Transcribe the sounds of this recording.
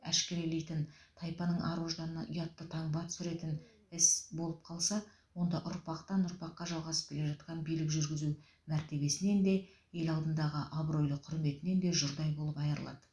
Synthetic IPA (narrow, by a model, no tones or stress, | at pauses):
æʃkʲeɾelejt̪ɪnt̪ʰɑjpɑnəɴʔɑɾoʒd̪ɑnɑʔʊjɑt̪ːət̪ʰɑɴbɑt̪sʏɾe̞t̪ɪn | ɪsbo̞lˠəp̚qʰɑlˠsɑ | wo̞nd̪ɑʔʊɾpɑqt̪ɑnʊɾpɑqːɑʒɑlˠʁɑsəp̚kʲʰe̞lʲeʒɑt̪qɑnbijlɪkʒʏɾɡʲɪzu | mæɾt̪e̞be̞sɪne̞nd̪e̞ | je̞lɑlˠd̪ənd̪ɑʁəʔabro̞jlˠəqʰʊɾme̞t̪ɪne̞nd̪e̞ʒʊɾd̪ɑjbo̞lˠəpɑjəɾəlˠɑ̰d̪ə